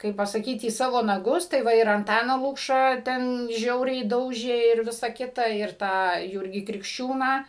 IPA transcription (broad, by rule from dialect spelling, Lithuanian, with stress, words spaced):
ˈkɐɪp pɐsɐˈkʲiːt iː ˈsɑːʋoː nɐˈɡʊs tɐɪ ˈʋɐ ɪr ɐnˈtɑːnɑː ˈlˠʊkʃɑː ˈtʲɛn ˈʒʲɛʊrʲɛɪ ˈdɐʊʒʲeː ɪr ˈʋʲɪsɐ ˈkʲɪtɐ ɪr ˈtɑː ˈjuːrʲɡʲiː krʲɪkʃʲˈt͡ʃʲuːnɑː